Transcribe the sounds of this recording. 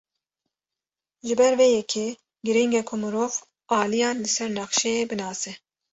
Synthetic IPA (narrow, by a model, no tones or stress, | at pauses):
ʒɨbɛɾveːjɛkʰe | ɡɨɾiŋɡɛkʰomɨɾoːv | ɑːlijɑːnlɨsɛɾnɛxʃɛjeːbɨnɑːsɛ